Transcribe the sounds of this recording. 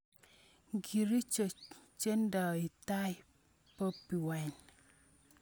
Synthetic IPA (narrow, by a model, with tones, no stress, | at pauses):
ɡi˨ɾi˦t͡ʃt͡ʃe˦nda˨i˨ta˦j | po˦pːi˨wɛ˨ɲ